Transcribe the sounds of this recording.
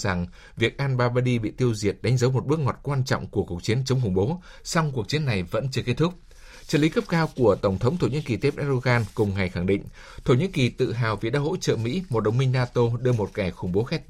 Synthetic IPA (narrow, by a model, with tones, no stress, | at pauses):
za˨˩ŋ | vi˨˩ək̚ʔaː˧nɓaː˧ɓaː˧ɗi˧ɓḭ˧˨t̪i˧əwzi˨˩ət̚ɗa˨˦ŋ̟zə˨˦wmo˨˩t̚ɓɨ˦˥ək̚ŋɔ˨˩t̚kwaː˧nt͡ɕɔ̰˧˨wŋ͡mku˧˩əku˨˩ək̚t͡ɕi˨˦ənt͡ɕə˨˦wŋ͡mxʊ˧˩ŋ͡mɓo˨˦ | sɔ˧wŋ͡mku˨˩ək̚t͡ɕi˨˦ənːa˨˩jvə̰˧˥nt͡ɕɨ˧əke˦˥t̚t̪ʊ˦˥k͡p̚ | t͡ɕə̰ː˧˩li˨˦kə˦˥p̚kaː˧wku˧˩ət̪ə˧˩wŋ͡mt̪ʰə˨˦wŋ͡mt̪ʰo˧˩ɲɨ̰˧˥nki˨˩t̪e˦˥p̚ʔɛ˧˥ɗo˧ɣaː˧nkʊ˨˩ŋ͡mŋa˨˩jxa˧˩ŋɗḭ˧˨ŋ̟ | t̪ʰo˧˩ɲḭ˧˥nki˨˩t̪ɨ̰˧˨ɦaː˨˩wvḭ˨ɗaː˧˥ho̰˧˥t͡ɕə̰ː˧˨mḭ˧˥mo˨˩t̚ɗə˨˩wŋ͡mmï˧ŋ̟naː˧t̪o˧ɗɨ˧əmo˨˩t̚kɛ˧˩xʊ˧˩ŋ͡mɓo˨˦xɛ˦˥t̚